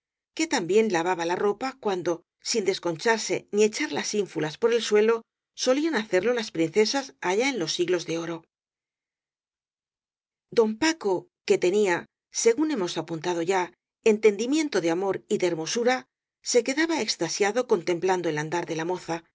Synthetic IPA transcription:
ke̞t̪ambje̞nlaβaβalaro̞pakwand̪o̞ | sind̪e̞sko̞nt͡ʃaɾse̞̰nie̞t͡ʃaɾlasiɱfulaspo̞ɾe̞lswe̞lo̞ | so̞lianaθe̞ɾlo̞laspɾin̟θe̞sasaʎaenlo̞sːiɣlo̞zðe̞o̞ɾo̞ | d̪o̞mpako̞ke̞t̪e̞nia | se̞ɣune̞mo̞sapunt̪að̞o̞ʝa | ent̪e̞nd̪imjẽ̞nt̪o̞ðe̞amo̞ɾiðeeɾmo̞suɾa | se̞ke̞ðaβae̞kst̪asjaðo̞ko̞nt̪e̞mpland̪o̞eland̪aɾðe̞lamo̞θa

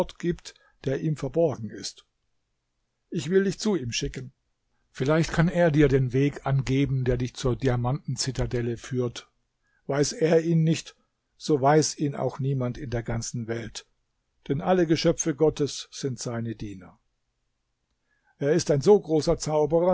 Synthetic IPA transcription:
tɡ̥iːpt | d̥eːɐʔiːmfɛɐbɔɐɡŋ̩ɪst | ʔɪçv̥ɪldɪçt͡suːiːmʃɪkən | fɪlaɪçtkʰaneːɐdiːɐdeːnveːkʔanɡeːbm̩deːɐdɪçt͡suːɐdiamantn̩t͡sɪtadɛləfyːɐt | v̥aɪseːɐiːnːɪçt | z̥oːvaɪsiːna̰ʊxniːmantɪndeːɐɡant͡sn̩vɛlt | d̥ɛnʔaləɡəʃœp͡fəɡɔtəsz̥ɪntz̥aɪnədiːnɐ | ʔeːɐɪstaɪnzoːɡʁoːsɐt͡saʊbəʁɐ

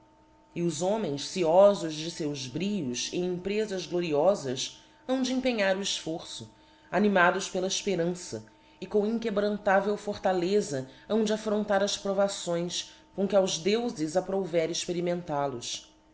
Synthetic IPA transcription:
ɪʊzõmẽj̃ssiɔzʊʒd͡ʒɪsewzbɾiʎʊʃḛ̃ẽpɾezɐzɡloɾiɔzɐs | ɐ̃w̃d͡ʒɪẽpeɲaɾuiʃfoɾsʊ | animad̪ʊʃpelɐɪʃpeɾɐ̃sɐ̰ | ɪkõĩŋkebɾɐ̃nt̪avewfoɾt̪alezɐɐ̃w̃d͡ʒɪafɾõnt̪aɾɐspɾovasõj̃s | kõkɪawzd̪ewzɪzapɾovɛɾɪʃpeɾimẽnt̪alʊʃ

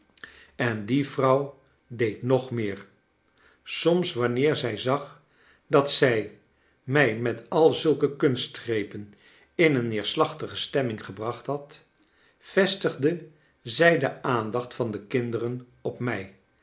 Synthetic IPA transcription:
ɛndivrɑw | dejtnɔχmɪːɹ | sɔmsʋɑnɪːɹzɛjzɑχ | dɑtsɛj | mɛjmɛtɑlˠzɵlˠkəkɵnstrejpən | ɪnənːɪːɹslɑχtəχəstɛmɪŋχəbrɑχtɦɑt | v̥ɛstəχdə | zɛjdəaːndɑχtfɑndəkɪndərən | ɔpmɛj

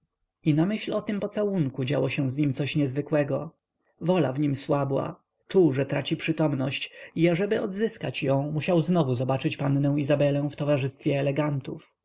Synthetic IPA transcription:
inamɘɕlɔt̪ɘmpɔt̪sawuŋkud͡ʑa̰wɔɕɛ̃w̃zɲimt̪sɔɕɲɛzvɘkwɛɡɔ | vɔla̰vɲimswabwa̰ | t͡ʂuwʐɛt̪ɾat͡ɕipʂɘt̪ɔmnɔɕt͡ɕiaʐɛbɘɔd̪zɘskat͡ɕjɔ̃w̃muɕawznɔvuzɔbat͡ʂɘt͡ɕpannɛ̃w̃izabɛlɛ̃w̃ft̪ɔvaʐɘst̪fʲjɛːlɛɡant̪uf

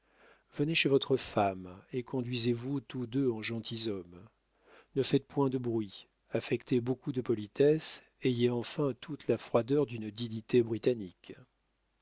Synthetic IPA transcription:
vəneʃevɔt̪χəfamekɔ̃d̪ɥizevut̪ud̪øɑ̃ʒɑ̃t̪ʰizɔm | nəfɛt̪̚pwɛ̃d̪əbʁɥi | afɛkt̪ʰebokud̪əpɔlit̪ɛs | ejeɑ̃fɛ̃t̪ʰut̪lafχwad̪œʁd̪ynd̪iɲit̪ebʁit̪anikʲ

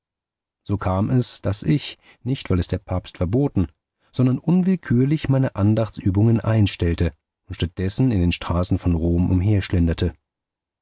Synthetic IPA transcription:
z̥oːkʰaːmɛsd̥asɪç | nɪçtv̥aɪlɛsd̥eːɐpʰaːpstfɛɐboːtn̩ | z̥ɔndɐnʔʊnvɪlkʰyːɐlɪçmaɪnəʔandaχt͡sʔyːbʊŋənʔa̰ɪnʃtɛltə | ʔʊntʃtat̚d̥ɛsn̩ɪndeːnʃtʁ̥aːsn̩fɔnʁoːmʔʊ̰mɦeːɐʃlɛndɐtʰə

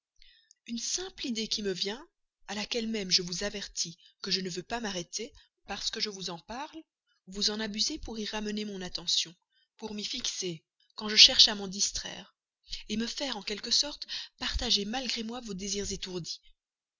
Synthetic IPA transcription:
ynsɛ̃plid̪ekʲiməvjɛ̃ | alakʲɛlmɛmʒəvuzavɛʁt̪ʰikəʒənəvøpamaʁet̪e | paʁsə̥kəʒəvuzɑ̃paʁl | vuzɑ̃nabyzepuʁiʁamənemɔ̃nat̪ɑ̃sjɔ̃ | puʁmifikse | kɑ̃ʒəʃɛʁʃamɑ̃d̪ist̪χɛ̰ːʁ | eməfɛʁɑ̃kʲɛlkəsɔʁt̪paʁt̪aʒemalɡʁemwavod̪eziʁzet̪uʁd̪i

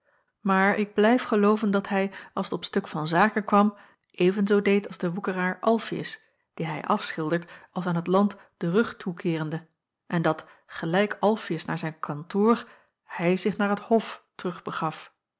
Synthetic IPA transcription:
maːɹɪɡ̚blɛjfχəlowvəndɑtɦɛjɑlˠsətɔpstɵkfɑnzaːkənkʋɑm | ʔejvənzowdejtɑlˠzdəʋukəraːɹʔɑlˠfiə̰s | d̥iɦɛjʔɑfsχɪlˠdəɹtɑlˠsaːnɦətlɑnt | d̥ərɵχtʰukʰɪːrəndə | ʔɛndɑt | χəlɛjkɑlˠfiəsna̰ːɹzɛjnkʰɑntʊːr | hɛjzɪχnaːɹɦəthɔftərɵχbəχɑf

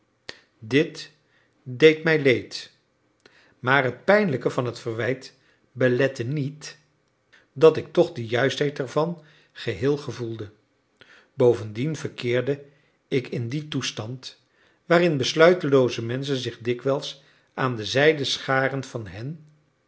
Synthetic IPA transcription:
dɪt | dejtmɛjlejt | maːɹɦət̚pɛjnləkəvɑnɦətfəɹʋɛjt | bəlɛtənit | dɑtɪk̚tɔχdəjœɥstɦɛjtɛɹvɑn | χəɦɪːlˠχəvulˠdə | bowvəndinvəɹkɪːɹdə | ɪkɪnditustɑnt | ʋaːrɪnbəslœɥtəlowzəmɛns̬ənzɪχdɪkʋɛlˠs | ʔaːndəzɛjdəsχaːrənv̥ɑnɦɛn

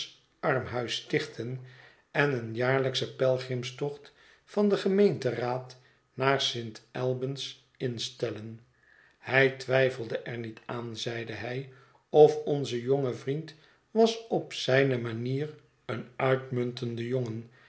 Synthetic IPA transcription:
ɑɹmɦœɥstɪχtʰən | ɛnənjaːɹləksəpɛlˠχrɪmstɔχt | fɑndəχəmejntəraːt | naːɹsɪntɛlˠbəns | ɪnstɛlən | hɛjtʋɛjfəlˠdəʔɛɹnitaːnzɛjdəɦɛj | ɔfɔnzəjɔŋəvrint | ʋɑsɔpsɛjnəmaniːr | ənœɥtmɵntəndəjoŋən

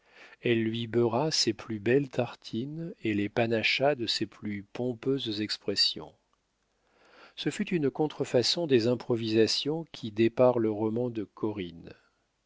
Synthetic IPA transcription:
ɛlːɥibøʁaseplybɛlt̪ʰaʁt̪ʰinelepanaʃad̪əseplypɔ̃pøzzɛkspχɛsjɔ̰̃ | səfyt̪ynkɔ̃t̪χəfasɔ̃d̪ezɛ̃pχɔvizasjɔ̃kʲʰid̪epaʁləʁɔmɑ̃d̪əkʰɔʁin

